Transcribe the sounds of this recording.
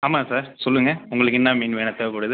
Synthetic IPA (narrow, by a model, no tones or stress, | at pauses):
aːmaːsaːɾsɔlːɯŋɡɐʊŋɡɐɭɯkːɪnːãːmiːnʋeːnɐt̪ːɐʋpʊːɽɐðɯ